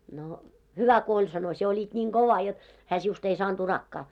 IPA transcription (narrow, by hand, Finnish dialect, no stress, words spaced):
no hyʋæ ko olʲ sɑno sie olit nʲiːŋ koʋɑ jot hæː siust ei sɑːnd̥ urɑkːɑː